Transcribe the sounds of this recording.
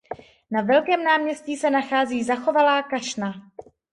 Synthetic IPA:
navɛlkɛːmnaːmɲɛscisɛnaxaːziːzaxo̞valaːkaʃna

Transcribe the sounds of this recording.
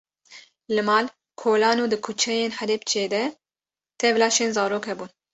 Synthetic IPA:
lɨmɑːl | kʰoːlɑːnuːd̪ɨkʰut͡ʃʰɛjeːnħɛlɛpt͡ʃʰeːd̪ɛ | t̪ʰɛvlɑːʃeːnzɑːɾoːkhɛbuːn

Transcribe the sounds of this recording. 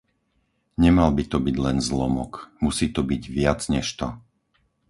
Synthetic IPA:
ɲɛmalbit̪ɔbiɟlɛnzlɔmɔ̰kmusiːt̪ɔbiɟʋɪad͡zɲɛʃt̪ɔ

